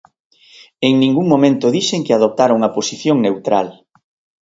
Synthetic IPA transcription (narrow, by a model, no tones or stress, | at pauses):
eŋnĩŋɡuŋmomẽnt̪ʊðiʃeŋkeaðop̚t̪aɾuŋɐposiθjoŋnewt̪ɾal